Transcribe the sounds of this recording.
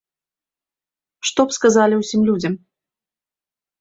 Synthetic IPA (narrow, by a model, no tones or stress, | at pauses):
ʂt̪ɔpskazalʲiwsʲimlʲud͡zʲɐm